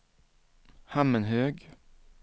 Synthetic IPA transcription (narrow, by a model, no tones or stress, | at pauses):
hæmənhøːɡ